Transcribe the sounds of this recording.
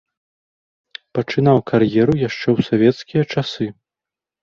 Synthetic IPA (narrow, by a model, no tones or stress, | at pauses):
pɐt͡ʂɨn̪awkʰarjɛɾujaʂt͡ʂɛwsavʲɛt̪skʲijɐt͡ʂasɨ